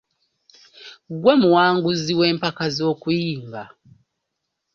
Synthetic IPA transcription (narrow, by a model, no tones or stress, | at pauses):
ɡwamuwaːŋɡuziwe̞ːmpakazo̞ːkujiːmɡa